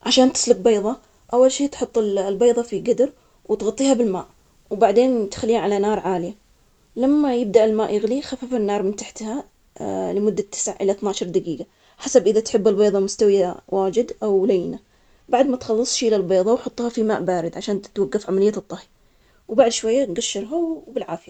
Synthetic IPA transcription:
ʕaʃaːnt̪ɪ̥slʊɡ̚beːðˤɑ | ʔawːalʃiːt̪ħʊt̪ˤːɪllbeːðˤɑfiɡad̪ɾ | wɪt̪ɣɑt̪ˤːiːhabɪlma̰ːʔ | wbaʕd̪eːnt̪xalːiːaʕalanɑːɾˤʕaːlɪja | lamːajɪb̚d̪aʔɪlmaːʔjɪɣlixafafɪnːɑːɾˤmɪnt̪aħt̪ha | lɪmʊd̪ːat̪ʰːɪ̥sʕaʕʔɪlaθnaːʃɑɾˤd̪aɡiːɡa | ħasabʔɪðat̪ħɪbːɪlbeːðˤɑmʊst̪awjawaːd͡ʒɪd̪ʔawlajna | baʕd̪mat̪xɑlːɨsˤʃiːlalbeːðˤɑwħʊt̪ˤːhɑfima̰ːʔbaːɾɪd̪ʕaʃaːnt̪t̪waɡːafʕamalɪjːat̪ˤːɑhi | wbaʕd̪ʃwajːaɡaʃːɪɾˤɦabɪlʕaːfɪja

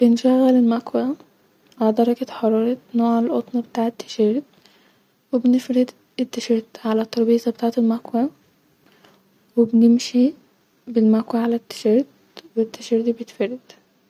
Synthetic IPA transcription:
b̥enʃæɣːælelmækwæ | ʕad̪ɑɾˤɑɡɑt̪ħɑɾˤɑːɾˤɑnoːʕalʔot̪ˤnɑbet̪aːʕet̪ːɪ̥ʃeɾd̪ | webnefɾɪd̪ | et̪ːaʃeɾd̪ʕalæt̪ˤːɑɾˤbiːzˤɑbet̪aːʕt̪elmækwæ | wɪbnɪmʃi | bɪlmækwæʕalæt̪ːɪ̥ʃeɾd̪ | wet̪ːæʃeɾd̪ibet̪fɑɾɪd̪̥

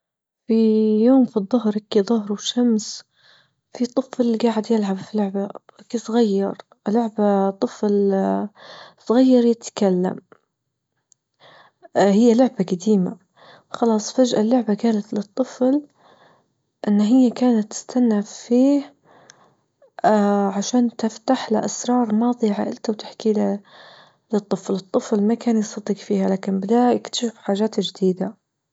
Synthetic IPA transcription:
fijoːmfiðˤːʊɦɾakiðˤʊɦɾwʃams | fit̪ˤːɨflɡaːʕɪd̪jɪlʕabfilʊʕbawʔakisˤɣajːɑɾˤ | lʊʕbat̪ˤːɨfl | sˤɣajːɑɾˤjɪt̪kalːa̰m | hɪjːalʊʕbaɡad̪iːma̰ | xɑlɑːsˤfad͡ʒʔalːʊʕbaɡaːlat̪lɨt̪ˤːɨfl | ʔɪnːaɦɪjːakaːnat̪ːɪ̥st̪anːafiːh | ʕaʃaːnt̪ɪft̪aħla̰ʔasɾˤɑːɾˤmɑːðˤiʕa̰ːʔɪlt̪awt̪ḁħkiːla | lɨt̪ˤːɨflɨt̪ˤːɨflmakaːnjɪst̪ɑt̪ˤiːqfiːhalaːkɪnbɪd̪aːʔɪkt̪ʃuːfħaːʒaːt̪d͡ʒɪd̪iːd̪a

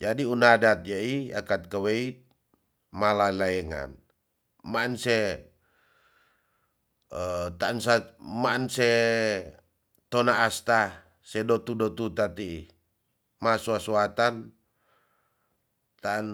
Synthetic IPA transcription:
d͡ʒadiunadat̪̚jaia̰kat̪̚kaweit̪̚ | malalaɛŋa̰n | maansɛ | ət̪aːnsamansɛ | t̪ɔnaːst̪a | sɛdɔt̪udɔt̪ut̪at̪ii | masuasuat̪an | t̪aan

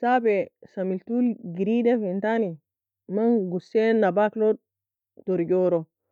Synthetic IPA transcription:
sabɛsamiltulɡiɾidɛfintani | manɡusɛnabaklɔ | tɔɾd͡ʒɔɾɔ

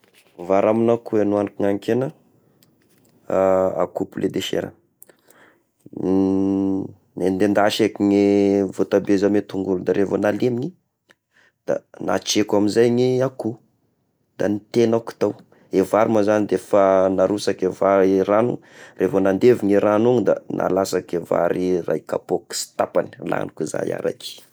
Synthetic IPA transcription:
vaɾaminakuenuanikiŋaŋkenə | a̰kupulʔed̪eʃḛɾə̰ | mend̪end̪aʃekiŋivot̪abezamet̪uŋɡulud̪aɾʔevonalemiɲi | d̪̥a̰na̰t͡ʃekamizajɲiaku | d̪a̰nit̪enaku̥t̪aw | evaɾimazanid̪efanaɾusakevaɾiranurʔefonand̪eviɲiɾanuŋid̪a̰nʔa̰lasakeva̰ɾirʔa̰jka̰poki̥si̥t̪apani̥la̰nukuza̰ja̰ɾa̰ki̥

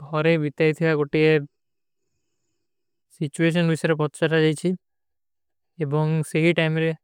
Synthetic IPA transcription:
d̪ʱɔɾebit̪ait̪ʰibaɡoʈie | sit͡ʃues̬ɔnbisɔɾepɔt̪t͡ʃaʈad͡ʒajt͡ʃʰi | ebɔŋseɦiʈajmɾe

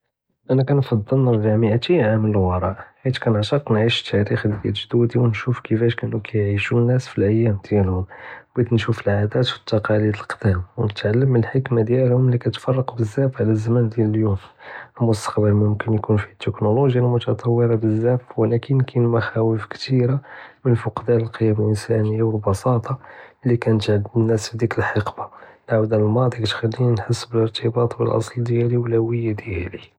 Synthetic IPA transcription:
ʔænækænfɑd̪ˤːəlnɑɾˤbæʕməʕt̪iʕamələlwɑɾˤɑʔħit̪kænʕt̪ɑqnʕiʃt̪ʰːæɾixdd̪ælʒd̪ud̪iwnʃufkəfæʃkæʔnːukʰæjʕiʃunːæsfilʔəjːæmd̪̥jælhʊmbid̪nʃufəlʕad̪æt̪fi̥t̪ːɑqɑlid̪əlqd̪æmwnət̪ʕalːəmːənəlħəkmad̪jælhʊmlikæt̪fɑrˤːɑqbəzːæfʕlæzːæmænd̪jæləljumlmʊst̪ɑ̥qbəlmʊmkənjkunfit̪ːəknoloʒjalmʊt̪ɑt̪ˤɑwːəɾɑbəzːæfwlækənkʰænmaxæwəfkt̪iɾamənfʊqd̪æləlqəjːæməlʔənsænəjːawəlbɑsɑt̪ˤɑlːikænət̪ʕdnːæsbd̪ikəlħɑqbalʕawd̪ælmɑd̪ˤikæt̪xælːinnħəsːbələɾt̪ʰəbɑt̪ˤbə̰lʔɑ̰sˤld̪jæliwlæwəjːad̪jæli

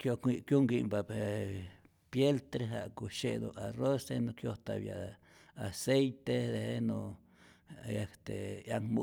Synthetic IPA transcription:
kjokikjuŋɡimbae | pjelt̪ɾeɦaʔkuʃed̪o̰arosd̪enokjot̪abja̰ | asejt̪ed̪eheno | akt̪ejaŋmu

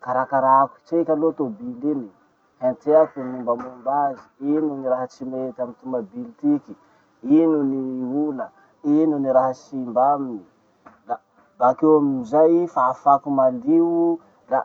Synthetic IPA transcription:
kaɾakaɾaku̥t͡ʃekʲalot̪obilini | hẽnt̪eakunimbamumbaziinuniɾaɦət͡simet̪amit̪umbəbilt̪iki | inuniulə | inuniɾaɦəsimbamini | la | bakewaminizajfafakumaliwu | la

